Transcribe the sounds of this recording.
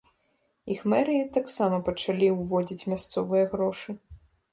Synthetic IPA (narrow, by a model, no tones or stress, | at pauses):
ixmɛɾɨit̪aksamɐpɐt͡ʂalʲiwvɔd͡zʲit͡sʲmʲast̪sɔvɨjɐɣɾɔʂɨ